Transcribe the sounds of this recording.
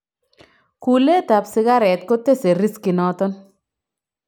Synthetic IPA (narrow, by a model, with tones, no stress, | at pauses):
ku˨le˦t̪a˨psɪ˨ɣa˦ɾɛ˨t̪̚ko˦t̪e˦se˨ɾɪ˦skɪ˨nɔ˦t̪ɔ˦n